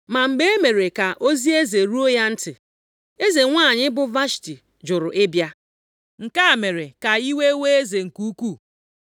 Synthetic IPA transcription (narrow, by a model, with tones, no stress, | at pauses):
ma˨ŋ͡m̩˨ɡ͡be˦e˦me˨ɾe˨ka˨ʔo˦zi˦e˦ze˨ɾu˦o˦ja˦n̩˦tɪ˨ | e˦ze˨ŋʷa˦˨ɲɪ˦bʊ˦va˦ʃti˨ | d͡ʒʊ˨ɾʊ˨ʔɪ˦bja˦ | ŋ̩˨ka˦a˨me˨ɾe˨ka˨i˦we˦we˦e˦ze˨ŋ̩˨ku˦u˦kʷu˦˨